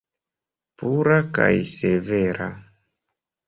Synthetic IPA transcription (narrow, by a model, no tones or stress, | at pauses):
puɾaka̰jseveɾa̰